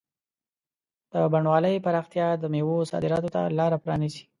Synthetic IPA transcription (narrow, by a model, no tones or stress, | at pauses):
d̪̥əbaɳwɑləjpaɾɑxt̪ijɑd̪əmewosɑ̰d̪ɪɾɑt̪ot̪a̰lɑɾapɾɑnizi̥